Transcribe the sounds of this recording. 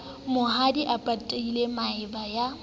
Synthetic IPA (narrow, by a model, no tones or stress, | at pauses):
mʊɦadiʔapʼatʼeilemaɪbaja